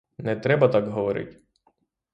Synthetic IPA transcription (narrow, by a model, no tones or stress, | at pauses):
nɛt̪ɾɛbɐt̪ɑkɦɔʋɔɾɪ̰tʲ